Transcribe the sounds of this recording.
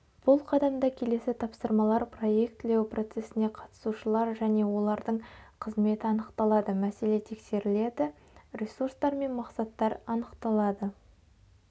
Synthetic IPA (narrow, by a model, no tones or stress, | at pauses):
b̥ʊlˠqʰɑd̪ɑmd̪ɑkʲʰe̞le̞sɪt̪ʰɑpsəɾmɑlˠɑɾpro̞je̞k̚t̪ːɪle̞wpro̞t̪se̞sɪne̞qʰɑt̪ə̥suʃəlˠɑɾʒæne̞wo̞lˠɑɾd̪əɴqʰəzme̞t̪ɪɑnəqt̪ɑlˠɑd̪əmæse̞le̞t̪ʰe̞kse̞ɾɪle̞d̪ɪ | ɾʲisurst̪ɑɾme̞nmɑqsɑt̪ːɑɾɑnəqt̪ɑlˠɑd̪ə